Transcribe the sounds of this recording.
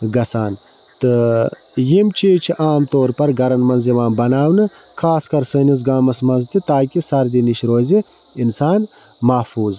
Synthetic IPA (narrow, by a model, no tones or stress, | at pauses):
ɡɐsaːn | t̪ɨ | jimt͡ʃʰiːt͡ʃʰiʔaːmt̪oːɾpɐɾɡɐɾɐnmɐnziʋaːmbɐnaːwnɨ | kʰaːskɐɾsəːniz̬ɡaːmɐsmɐnzt̪it̪aːkʲisɐɾd̪iniʃɾoːzi | insaːn | mɐfuːz